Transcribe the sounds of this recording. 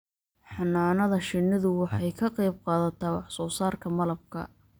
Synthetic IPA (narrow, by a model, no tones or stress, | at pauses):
ħɑnaːnɐðɐʃɪnːɪðʊwɑħɑjkʰɐqɑjb̚qɑːðɐt̪ʰaːwɑħsɔːsaːrkʰɐmɐlɐb̚kʰɐ̰